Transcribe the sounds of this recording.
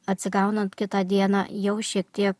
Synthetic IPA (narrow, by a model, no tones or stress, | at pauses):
ɐt̪ʲsʲɪɡɐʊnɐnt̪kʲɪt̪ɑd̪ʲiɛnɑjɛʊʃʲiɛk̚t̪ʲiɛk